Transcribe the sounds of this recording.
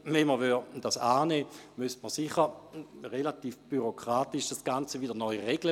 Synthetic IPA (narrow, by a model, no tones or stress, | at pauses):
vɛnməvyd̥asaːneːmystməʁsiχəʁʁelatiːfb̥yʁokʁ̥aːtiʃd̥asɡ̥ant͡səvidənɔʏʁeɡ̥lə